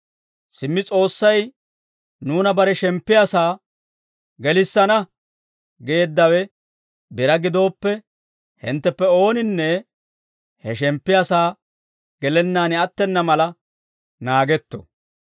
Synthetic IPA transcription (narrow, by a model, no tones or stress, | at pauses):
sɪmːɪt͡sʼo̞ːsːɐj | nuːnɐbɐɾɛʃɛmpːɪjaːsaː | ɡɛlɪsːɐnɐ | ɡeːd̪ːɐwɛ | bɪɾɐɡɪd̪o̞ːpːɛ | hɪ̰nt̪ːɛpːɛo̞ːnɪnːɛ | hɛʃɛmpːɪjasaː | ɡ̥ɛlɛnːaːnɪɐt̪ːɛnːɐmɐlɐ | naːɡɛt̪ːɔ̰